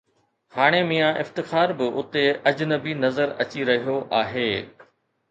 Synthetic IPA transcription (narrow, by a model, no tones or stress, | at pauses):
haːɽ̃emijãʔɪft̪ɪxaːɾbɪʔʊt̪eɐd͡ʑnəbinɐzəɾɐt͡ɕiɾɐɦijoʔaːɦeː